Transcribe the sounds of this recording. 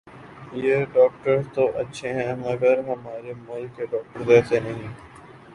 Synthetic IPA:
jeːɖɔːk̚ʈəɾt̪oʔɐtːʃʰeɦɛ̃mɐɡəɾɦɐmaːɾemʊlkeɖɔːk̚ʈəɾd̪ɛːsenɐɦĩː

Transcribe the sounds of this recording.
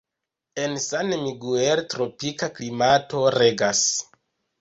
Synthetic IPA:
e̞nsanmiɡueɾtɾo̞pikaklimato̞ɾeɡas

